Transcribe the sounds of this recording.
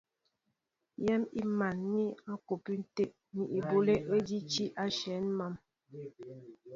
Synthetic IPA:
jɛ˦mi˦ma˨nːi˦a˦ko˨pi˦n̩˦te˦ʔ | ni˨ʔi˨bo˦le˦e˦d͡ʒi˦t͡ʃi˦ʔa˦ʃɛ˨˦nma˦˨m

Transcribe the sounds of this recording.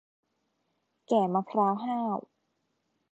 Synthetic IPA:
kɛː˨˩maː˧pʰɾaː˦˥wɦaː˥˩w

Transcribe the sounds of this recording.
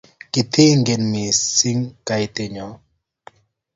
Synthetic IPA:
kɪ˨t̪ʰe˦ŋɡe˨nmi˨si˦ŋka˨jte˨ɲɔ˨

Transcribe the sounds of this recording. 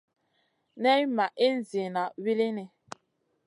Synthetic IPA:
nɛ˦jma˨ʔe˦n̩˨zi˨na˨wi˦li˦ni˨

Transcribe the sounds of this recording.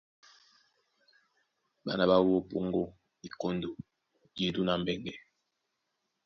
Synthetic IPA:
ba˦na˨ba˦wo˦po˦˨ŋɡo˦ | i˨ko˦ndo˨ | je˨du˦na˨m̩˦bɛ˦ŋɡɛ˨

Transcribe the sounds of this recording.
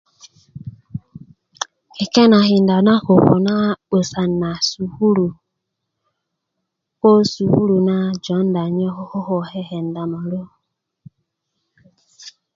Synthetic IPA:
e˨kɛ˦na˨ɦi˨n˨da˨na˦ho˨ko̰˨na˦o˨sa˨na˨su˨hu˦ɾu˨ | ko˦su˨hu˦ɾu˨na˦d͡ʒɔ˨˦n˦da˨ɲɔ˦ho˦ho˦ɦo˨hɛ˦ɦɛ˨n̩˨da˨mɔ˨ɾo˦

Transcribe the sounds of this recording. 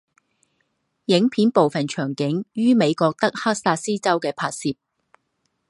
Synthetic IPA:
jɪ˨˥ŋpʰiː˨˥npo˨wfɐ˨˩nt͡ʃʰœː˨˩ŋkɪ˨˥ŋjyː˥me˨˧jkɔː˧k̚t̪ɐ˥k̚ha˥k̚saː˧t̚siː˥t͡sɐ˥wkɛː˧pʰaː˧t̚siː˨˧p̚

